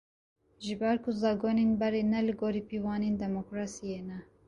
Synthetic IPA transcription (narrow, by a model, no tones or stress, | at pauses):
ʒɨbɛɾkʰʊzɑːɡoːnenbɛɾenɛlɨɡoːɾiːpiwɑːneːnd̪ɛmokɾɑːsijeːnɛ